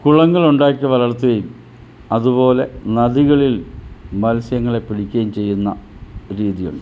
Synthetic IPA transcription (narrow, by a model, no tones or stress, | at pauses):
kuɭɐŋːɐɭuɳɖaːkʲːɐʋɐɾɐɭɐt̪ːuɣɐjum | ɐðupo̞ːle̞nɐðiɣɐɭilmɐlsjɐŋːɐɭe̞pːiɽikʲːɐjumt͡ɕe̞jːunːɐ̰ɾiːðijṵɳɖɨ